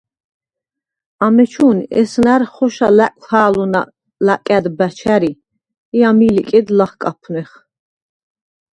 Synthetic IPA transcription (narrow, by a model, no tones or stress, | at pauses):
amɛt͡ʃʰuːnɛ̰snaɾχɔʃalækʼaːluna | lakʼad̪bæt͡ʃʰæɾi | iamilikʼɛd̪laχkʼapʰnɛχ